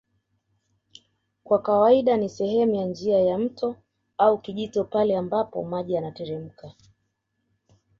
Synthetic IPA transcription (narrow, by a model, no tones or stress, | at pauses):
kwakawaiɗanisɛhɛmujand͡ʒiajam̩tʰɔ | aukiʄitɔpalɛambapɔ̰maʄianatɛɾɛm̩ka